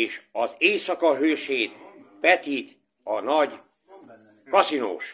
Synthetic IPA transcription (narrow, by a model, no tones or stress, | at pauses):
eːʃɒzeːsɒkɒɦøːʃeːt̪pɛt̪it̪ | ɒnɒɟ | kɒsino̰ːʃ